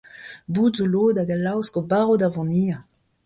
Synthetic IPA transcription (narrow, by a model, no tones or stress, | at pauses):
buːdzoloːd̪aɡalawskobaʁod̪avɑ̃niːa